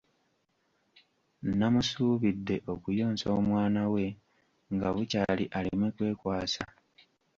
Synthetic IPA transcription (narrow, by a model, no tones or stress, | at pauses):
namusuːβidːe̞ʔo̞kujo̞ːnso̞ːmwaːnawe̞ | ŋɡaβucaliʔalimwekwe̞ːkwaːsa